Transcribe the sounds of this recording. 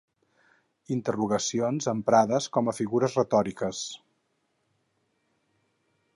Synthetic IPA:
int̪əruɣəsionzəmpɾaðəskɔməfiɣuɾəzrət̪ɔɾikəs

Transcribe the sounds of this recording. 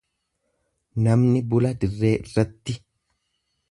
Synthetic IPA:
nɐmnɪbʊlɐd̪ɪrːeːɪrːɐt̪ːɪ

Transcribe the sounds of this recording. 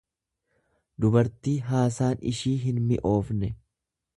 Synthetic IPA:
d̪ʊbɐɾt̪iːɦaːsaːnɪ̰ʃiːɦɪnmɪʔo̞ːfnɛ

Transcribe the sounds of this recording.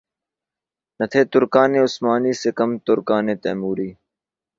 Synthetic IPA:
nɐt̪ʰeːt̪ʊɾkaːneːʊsmaːniːsekɐmt̪ʊɾkaːneːt̪ḛːmuːɾiː

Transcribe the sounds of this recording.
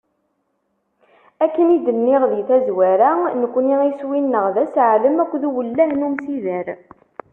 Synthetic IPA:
ækːənid̪ənːɪʁðiθæzwæɾanəkʷːniiswinːəʁðæsʕləmækʷːðuwəlːæhnumsiðəɾ

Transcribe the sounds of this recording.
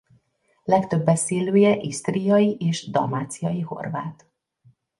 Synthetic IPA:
lɛkt̪ø̞bːɛseːløːjɛʔist̪rijɒjiʔeːʃd̪ɒ̰maːt̪sijɒjiho̞̰rva̰ːt̪

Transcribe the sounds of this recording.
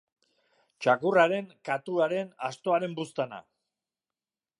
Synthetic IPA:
t͡ʃakuraɾe̞ŋkat̪uaɾe̞nast̪o̞aɾe̞mbust̪ana̰

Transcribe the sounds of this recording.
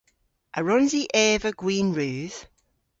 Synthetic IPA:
ʔəɹɔ̃nziʔɛːvəɡ̥wĩːnɹʉːð̥

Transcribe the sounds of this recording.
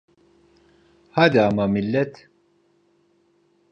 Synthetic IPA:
had̪iamamilːɛt̪ʰ

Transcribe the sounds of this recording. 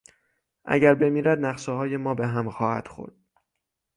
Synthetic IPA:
ʔæ̰ɟæɾbe̞miːɾæd̪næʁʃeɦɒːje̞mɒːbe̞ɦæmxɒːhæ̰d̪̥xo̰ɾd̪̥

